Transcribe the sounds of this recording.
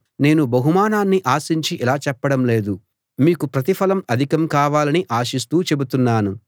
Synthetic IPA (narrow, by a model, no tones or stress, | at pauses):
ne̞ːnubɐɦumaːnaːnːiʔaːsiɲt͡ʃiʔilaːt͡ʃɛpːɐɽɐmle̞ːd̪u | miːkupɾɐt̪̬ipʰɐlɐmɐd̪ʱikɐmkaːʋaːlɐniʔaːʃis̬t̪uːt͡ʃe̞but̪unːaːnu